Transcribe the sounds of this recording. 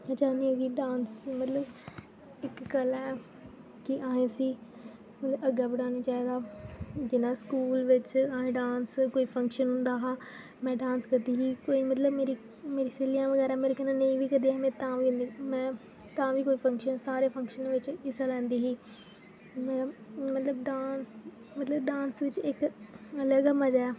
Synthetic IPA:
ət͡ʃaːniəɡiːɖãːnsmət̪ləb | ɪkːəlɛː | kɪʔaːẽːsiː | mət̪ləbəɡaːbɪɽaːneːt͡ʃaːɦiːd̪aːd͡ʒɪnaːskuːlʋɪt͡ʃaːẽːɖãːnskoːiːpʰə̃ŋkʃənɦʊ̃nd̪aːɦãː | mɛ̃ːɖãːnskəd̪iːɦiːkoːiːmət̪ləbmeːɾiː | meːɾiːseːlijãːʋəɡɛːɾaːmeːɾeːkənãːnĩːʋiːkəd̪iːɦɛːmɛ̃ːt̪ãːʋiːɦʊ̃nd̪iːmɛ̃ː | t̪ãːʋiːkoːiːpʰə̃ŋkʃənsaːɾeːpʰə̃ŋkʃənʋɪt͡ʃɪsalɛ̃ːnd̪iːɦiː | mɛmət̪ləbɖãːns | mət̪ləbɖãːnsʋɪt͡ʃɪkələɡməd͡ʒaː

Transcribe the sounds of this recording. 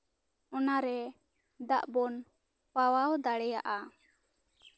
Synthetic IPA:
ɔnaɾɛ | d̪aʔbɔn | pawawd̪aɽɛja̰ʔa

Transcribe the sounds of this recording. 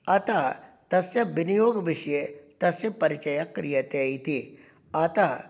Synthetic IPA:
ɐt̪ɐɦt̪ɐsjɐbɪnijoːɡʋɪʃjet̪ɐsjɐpɐɾɪt͡ʃɐjɐkːɾijɐt̪eit̪i | ɐt̪ɐɦ

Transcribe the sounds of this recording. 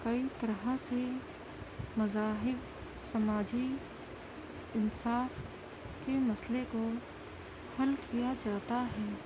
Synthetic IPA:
kɐit̪ɐɾɦəse | mɐzaːɦɪb | sɐmaːd͡ʒi | ɪnsaːf | kemɐsleko | hɐlkʰijad͡ʒaːt̪aɦɛː

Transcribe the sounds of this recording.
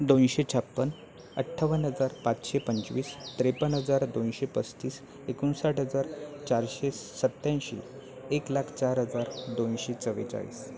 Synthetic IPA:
d̪onɕet͡ɕʰapːən | əʈʰaʋənɦəd͡zaɾpat͡sɕepənt͡sʋiːst̪ɾepənɦəd͡zaɾd̪onɕepət͡st̪iːs | ekunsaʈɦəd͡zaɾt͡ɕaɾɕesət̪ːãjɕḛ | eklakʰt͡ɕaɾɦəd͡zaɾd̪onɕet͡səʋḛt͡sa̰ɭḭːs

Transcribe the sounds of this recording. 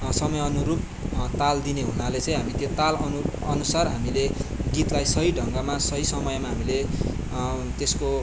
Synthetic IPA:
sʌmʌjʌnuɾub̚ | t̪ald̪ineɦunalet͡sʌ̃ĩɦamit̪jot̪alʌnu | ʌnusarɦa̰mileɡit̪lajsʌɦiɖʱʌŋɡamasʌɦisʌmʌjmaɦamile | t̪esko

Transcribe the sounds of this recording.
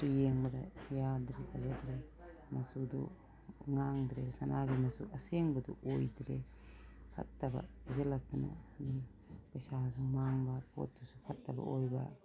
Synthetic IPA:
pijeŋbɐdɐjadɾehʰazadɾemɐsudṵ | ŋaŋdɾebsɐnʔaɡimɐsṵɐseŋbɐdṵʔojdɾe | kʰɐ̰tːɐbɐ̰izɐlɐk̚tanɐ̰mi | pɐjsasumaŋbɐpo̰t̚dusupʰɐtːɐbɐ̰ojbɐ̰

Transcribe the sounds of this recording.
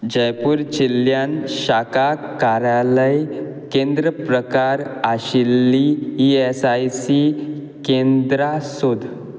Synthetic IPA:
d͡ʑəjpuːɾt͡ɕilːjanɕakakaɾjaləj | kẽnd̪ɾəpɾəkaɾaɕilːiːesajsi | kẽnd̪ɾasod̪ʱ

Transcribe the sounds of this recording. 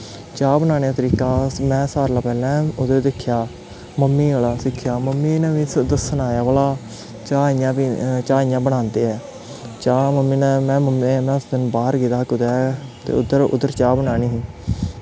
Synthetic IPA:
t͡ʃaːbənaːneːaːt̪əɾiːkaːmɛ̃ːsaːɾlaːpɛːlɛ̃ːʊd̪əɾd̪ɪkʰːjaː | məmːiːəlaːsɪkʰːjaːməmːiːnɛ̃ːʋĩːsd̪əsənaːjaːʋəːlaː | t͡ʃaːiːãːit͡ʃaːiːjãːbəɽ̃ãːnd̪eːɛː | t͡ʃaːməmːiːnɛ̃ːmɛ̃ːməmːẽːmɛ̃ːsd̪ɪnbaːəɾɡiːt̪aːkʊd̪ɛːt̪ḛːʊd̪əɾʊ̰d̪əɾt͡ʃaːbənaːniːɦĩː

